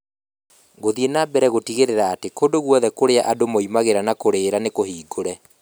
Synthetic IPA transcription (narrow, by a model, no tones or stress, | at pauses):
ɣoðienabɛɾɛɣotiɣeɾeɾaːtekondoɣwɔðɛkoɾeaʔadomoimaɣeɾanakoɾeːɾanekohiːɡoɾɛ